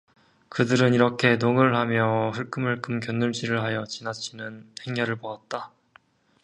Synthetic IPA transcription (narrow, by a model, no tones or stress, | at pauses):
kɯdɯɾɯniɾʌkʰe̞noŋɯɭhamjʌɸɯɭk͈ɯmɯɭk͈ɯmkjʌnːɯɭɕʰiɾɯɭɦajʌt͡ɕinat͡ɕʰinɯnhe̞ŋːʌɾɯɭpoat̚t͈a